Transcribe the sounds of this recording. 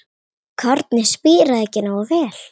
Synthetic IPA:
kʰaɾt̪nɪspiːɾaðɛcːɪnawɔvɛːl

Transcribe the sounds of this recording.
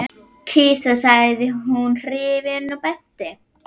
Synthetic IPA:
kʰiːsasajðɪɦunr̥ɪːvɪɾnupɛht̪ɪ

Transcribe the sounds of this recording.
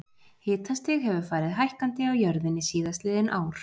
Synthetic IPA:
hɪːt̪anst̪ɪɣhɛvʏɾ̥faːɾɪðɦajhkant̪ɪawjœɾðɪnːɪsiːðast̪lɪːðɪnʔa̰ːwɾ̥

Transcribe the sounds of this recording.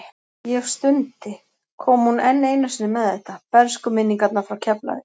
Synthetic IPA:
jɛɣst̪ʏnt̪ɪ | kʰɔːmhunɛnːeːjnːasɪnɪmɛðɛht̪apɛɾskʏmɪnːiŋkat̪nafɾawcʰɛpla̰ðɪ

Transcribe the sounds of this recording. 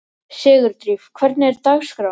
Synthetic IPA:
sɪːɣʏɾt̪ɾiːfkʰvɛɾt̪nɛɾt̪aːɣskɾa

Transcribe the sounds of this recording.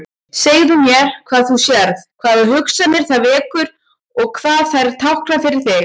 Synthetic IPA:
seːjðʏmjɛkʰv̥aːðθusjɛɾðkʰvaːðʏhʏksanɪɾ̥θaðvɛːkʏɾ̥ | ɔɣkʰv̥aːðθajɾt̪ʰawhkɾafɪɾɪɾ̥θɪɣ

